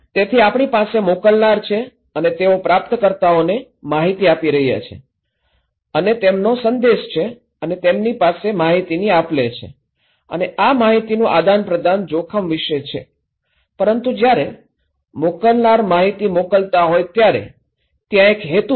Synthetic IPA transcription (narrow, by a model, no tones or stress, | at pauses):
t̪et̪ʰiapɳ̃ipasemokəlnaɾt͡ʃʰe | ənet̪eopɾap̚t̪kəɾt̪aone | maɦit̪iapiɾəɦija̰t͡ʃʰḛ | ənet̪emnosənd̪eʃt͡ʃʰe | ənet̪emnipasemaɦit̪iniaplet͡ʃʰḛ | ə̰neʔamaɦit̪inũʔad̪anpɾəd̪ʱand͡ʒokʰəmʋiʃət͡ʃʰḛ | pəɾənt̪ud͡ʒjaɾe | mokəlnaɾmaɦit̪imokəlt̪aɦojt̪jaɾḛ | t̪jãekɦet̪u